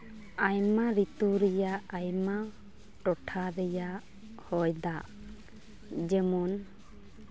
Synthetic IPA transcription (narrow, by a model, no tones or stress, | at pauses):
ajmaɾit̪uɾɛjaajma | ʈɔʈʰaɾɛjaʔ | hɔjd̪aʔ | d͡ʒɛmɔn